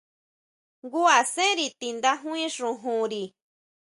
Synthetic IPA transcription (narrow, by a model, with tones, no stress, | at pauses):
ɡu˦a˨sẽ˦ɾi˧t̪i˧nd̪a˦ɦũ˦ĩ˦ʂũ˨ɦũ˧ɾi˨